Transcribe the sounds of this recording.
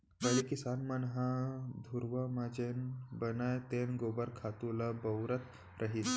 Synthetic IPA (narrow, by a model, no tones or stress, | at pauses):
bəlikisanmanɦãd̪ʱuɾʋəmad͡ʑenbənajt̪enɡobəɾkʰat̪ulabəwɾət̪ | ɾʔəɦit̪